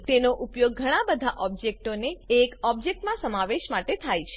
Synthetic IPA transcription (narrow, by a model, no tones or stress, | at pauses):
t̪enoʔupjoɡ̚ːʱəɽ̃ãbəd̪ʱaʔɔb̚d͡ʒek̚ʈoneːkɔb̚d͡ʒek̚ʈmãsəmaʋeʃmaʈet̪ʰajt͡ʃʰe̥